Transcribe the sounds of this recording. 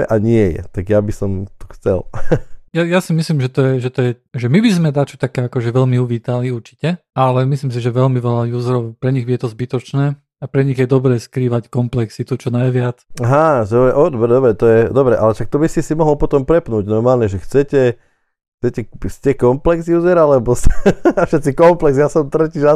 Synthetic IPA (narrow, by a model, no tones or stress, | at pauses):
ɛ̰ʔaɲɪɛjɛ̰t̪aɡjabisɔmt̪ɔ̥xt͡sɛ̰ljajasimislimʒɛt̪ɔjɛʒɛt̪ɔjɛʒɛmibizmɛd̪at͡ʃɔt̪akɛːakɔʒɛʋɛʎmiuʋiːt̪aliuɾt͡ʃi̥cɛalɛmisliːms̬iʒɛʋɛlmiʋɛlajuːzɛɾɔʊpɾɛɲiɣbijɛt̪ɔzbit̪ɔt͡ʃnɛː | apɾɛɲiɣjɛd̪ɔbɾɛːskɾiːʋackɔmplɛksit̪ut͡ʃɔnajʋɪat͡saɦaɔɛʔɔd̪ɔbɾd̪ɔbɾɛt̪ɔjɛd̪ɔbɾɛʔa̰lɛʃak̚t̪ɔbisisimɔɦɔlpɔt̪ɔmpɾɛpnuːɟnɔɾmaːlɲɛʒɛxt͡sɛcɛ | xt͡sɛcɛscɛkɔmplɛɡzjuːzɛɾalɛbɔsafʃɛt̪t͡sikɔmplɛɡzjasɔmt̪ɾɛciʒa